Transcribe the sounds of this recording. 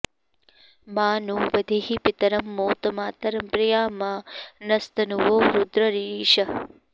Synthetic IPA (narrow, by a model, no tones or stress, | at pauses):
maːnuːʋɐd̪ʱeɦipit̪ɐɾɐmːoːt̪ɐmaːt̪ɐɾɐmpɾɐjaːmaːnɐst̪ɐnuʋoːɾud̪ɾɐɾiːʃɐ